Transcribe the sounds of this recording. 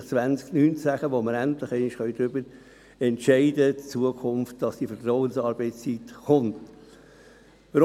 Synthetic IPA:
t͡sʋænsknynt͡sæχəʋoməɾæntlɪχɛɪnɪʃχœʏd̪ɾʏbəɾ | ɛntʃɛɪdətt͡suəkʰʊnft̚d̥ɑsd̥ifətɾɔʊənsɑːɾbɛɪt͡st͡sitχʊnt | əɾ

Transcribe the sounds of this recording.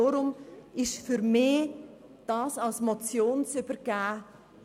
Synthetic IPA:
oɾʊmɪʃfyɾmɪːd̥ɑːsɑlsmɔt͡sjoːnsybəɾɡ̥æː

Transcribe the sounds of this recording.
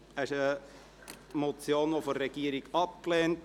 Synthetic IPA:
æʃə | mɔt͡sjoːnʋofoɛɡ̥iəɾiɡɑp̚klɛːnt

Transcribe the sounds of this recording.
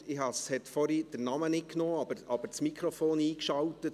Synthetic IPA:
ɪhɑshɛtfɔɾid̥əɾnɑmənɪt̚knoːɑbəʔɑb̥əɾt͡smikʰɾɔfoːniːkʃɑltət

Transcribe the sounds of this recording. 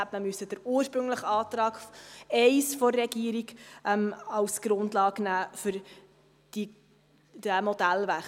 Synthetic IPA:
æpməmysəd̥əɾuːəɾʃpɾɵŋləχɑːt̪ɾɑːɡfɛɪsfɔːɛɡiːəɾiɡʔɛmɑlsɡ̥ɾʊndlɑːɡnæːfʏɾ | d̥i | d̥əmɔd̥ælvæχ

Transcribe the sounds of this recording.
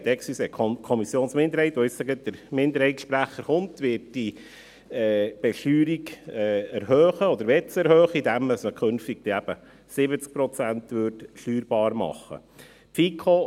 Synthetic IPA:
d̪ɛksisɛkʰkʰɔmisjoːnsmɪndəɾhɛɪt̪ʋɔɪssəɡət̚dəɾmɪnd̪əɾhɛɪtʃpɾæχːəɾχʊntʋɪːɾt̚d̥i | ɛːb̥ɛʃtyːɾiɡɛæɾɦøːχəɔd̪əɾʋɛt͡sɛɾhøːχəid̪æməsməkʰønftiɡ̥̚d̥ɛæb̥ə | sɪbət͡sk̚pɾɔt͡sæntʋøːɾtʃtyːɾbɑːɾmɑ̰χːə̰ | fikʰo

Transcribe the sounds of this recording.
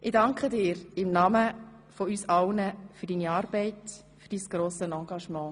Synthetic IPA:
ʔɪdɑŋkχədɪːɾɪmnɑmə | fɔysɑlnəfyɾdiniɑːɾb̥ɛɪt | fyɾd̥isɡ̥ɾoːsənɑ̃ːɡ̥ɑʃmɑ̃ː

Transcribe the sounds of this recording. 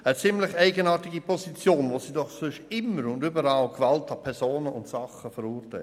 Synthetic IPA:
ət͡sɪmlɪçɛɪɡənɑːtɪɡipʰɔsit͡sjoːnvoːsiːdɔχsʏʃɪmːəɾʊndybəɾɑːlkvɑltɑpʰɛɾsoːnəʔʊntsɑχəfəɾuːɾtɛ̰ɪ

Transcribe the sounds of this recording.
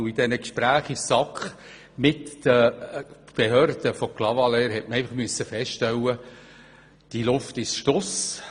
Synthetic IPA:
id̥̪ɛnəkʃpɾæːχisɑkχ | mɪt̪ːə | b̥eɦøːɾd̪̥əfɔklɑvɑlɛːɾɦɛtməɾɛjfəχmyəsːəfɛstɛwːə | d̥ilʊft̪ɪsʃtɔs

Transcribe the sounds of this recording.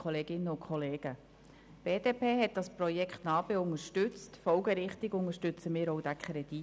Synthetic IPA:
χɔleːɡ̥ɪnːəʊnkʰχɔleːɡ̥ə | b̥eːd̥eːpʰeːɦɛt̚d̥ɑspɾɔjɛkχtnɑːb̥eʊŋəʃtʏt͡stfɔlɡəɾɪχtɪɡʊŋəʃtʏt͡səmɪːɾowd̥ækʰχɾɛd̥i

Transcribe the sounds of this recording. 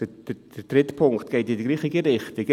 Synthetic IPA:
əd̥ə̥ | əd̥ɾɪtpʰʊŋktɡ̥eɪtɪdəɡliːχiɡəɾɪχtɪɡ

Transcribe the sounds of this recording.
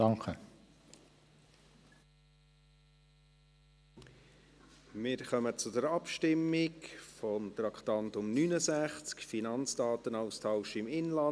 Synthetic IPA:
ɑŋkə | mɪːɾχœmət͡sʊdɛɾɑpʃtɪmːɪkfɔmt̪ɾɑkχt̪ɑntʊmnynəsæχt͡skfinɑnt͡sd̥ɑːt̪ənaʊstʰɑʊʃɪmɪnlɑ

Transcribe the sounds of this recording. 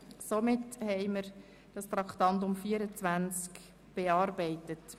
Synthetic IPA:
somɪthɛɪməɾ | d̥ɑst̪ɾɑktɑnt̬ʊmfiːəɾət͡sʋænt͡sk | b̥eɑːɾbɛɪtət

